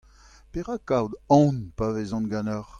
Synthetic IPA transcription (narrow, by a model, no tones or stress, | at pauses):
peʁakawd̪ɔ̃npavezɔ̃nɡãnœʁ